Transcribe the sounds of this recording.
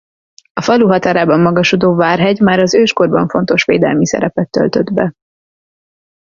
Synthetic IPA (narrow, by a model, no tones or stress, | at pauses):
ɒfɒluɦɒt̪aːɾaːbɒmːɒɡɒʃud̪oːvaːrɦɛɟmaːɾɒzøːʃko̞rbɒɱfo̞nt̪o̞ʃʋeːd̪ɛ̰lmisɛ̰ɾɛpɛt̪ːø̰lt̪ø̞d̪bɛ